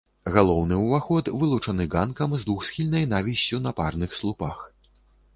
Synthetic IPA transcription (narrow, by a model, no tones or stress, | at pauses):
ɣalˠɔwnɨuvaxɔt̪vɨlˠut͡ʂɐnɨɡankɐmzd̪vuxsxʲilʲnɐjnavʲiɕʲt͡sʲunɐparnɨxslˠupax